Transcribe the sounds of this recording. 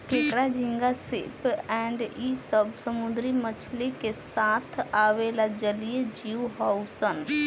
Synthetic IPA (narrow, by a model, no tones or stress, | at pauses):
keːkɾad͡ʒɪ̃ŋɡasḛpɛ̃ːɳɖisəbsəmʊd̪ɾimət͡ʃʰlekesaːt̪ʰaːʋelad͡ʒəlijed͡ʒiːuɦaːwusən